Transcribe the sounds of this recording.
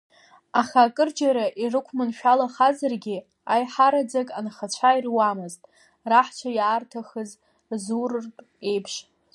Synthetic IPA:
aχaːkʼɨrd͡ʒaɾaʔirɨkʷʰmɨnʃᶣalaχazarɡʲi | ajħaɾad͡zakʼanχat͡ɕʷʰairwamɨztʼ | raħt͡ʃʷʰajaːrtʰaχəz | zurɨrpʼ | e̞jpʰʃ

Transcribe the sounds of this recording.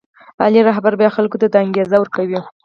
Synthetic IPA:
ɑ̰liɾaɦbaɾbjɑxalkot̪ad̪aŋɡezawəɾkawi

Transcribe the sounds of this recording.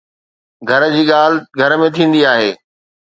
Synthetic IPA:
ɡʱɐɾd͡ʑiːɠaːlɪɡʱɐɾmẽt̪ʰĩːn̆d̪iaːɦeː

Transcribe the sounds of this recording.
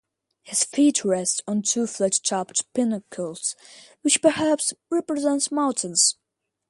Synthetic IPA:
hɨz̥fitʰɹɛstn̩tʰuflɛtt͡ʃʰɑptpɪnəkʰəlˠz̥wɨt͡ʃpə˞hæpsɹɛpɹɨzɛ̃ntsmãʊ̃nʔn̩z̥

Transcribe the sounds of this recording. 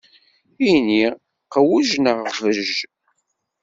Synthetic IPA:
ini | qəwuʒnəʁvəʒʒ

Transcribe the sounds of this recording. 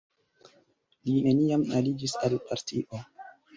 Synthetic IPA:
line̞niamalid͡ʒisalpaɾtʰiʔo̞

